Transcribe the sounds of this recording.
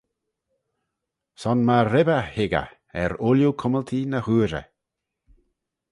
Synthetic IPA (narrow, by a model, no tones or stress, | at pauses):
sɔnmaɾɪbəhɪɡə̰ | ɛɾʊljukʰʊməlt̪ʰinəhuːɾə̰